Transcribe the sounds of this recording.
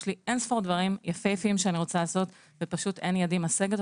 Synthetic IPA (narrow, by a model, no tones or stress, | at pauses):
liʔensfoʁd̪vaʁimjafejafiimʃeaniʁo̞t͡salaːso̞t̪ | vepaʃut̪enjadimaseɡet